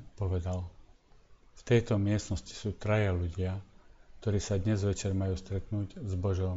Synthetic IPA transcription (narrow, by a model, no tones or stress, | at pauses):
pɔʋɛd̪al | ft̪ɛjt̪ɔmɪɛst̪nɔsci̥suːt̪ɾajaluɟɪak̚t̪ɔɾiːsad̪ɲɛzʋɛt͡ʃɛɾmajuːst̪ɾɛt̪nuːɟzbɔʒɔʊm